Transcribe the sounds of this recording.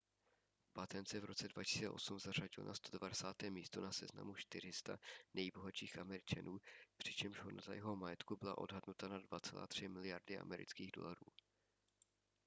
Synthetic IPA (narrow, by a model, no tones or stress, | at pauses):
bat̪ɛnt͡sɛvɾo̞t͡sɛdvacɪ̥siːt͡sɛ̰ʔo̞sumzar̝aɟɪlna̰st̪odvadɛsaːt̪ɛːmiːst̪o̞nasɛzna̰muʃt̪ɪr̝ɪst̪a̰nɛjbo̞ɦat͡ʃiːxʔamɛɾɪt͡ʃanuːpr̥ɪt͡ʃɛmʒɦonaza̰jɛɦo̞majɛt̪kubɪla̰ʔo̞dɦadnut̪anadvat̪t͡sɛla̰ːt̪r̝̥ɪmɪlɪjaɾdɪʔa̰mɛɾɪ̰t͡skiːɣdo̞̰laɾṵː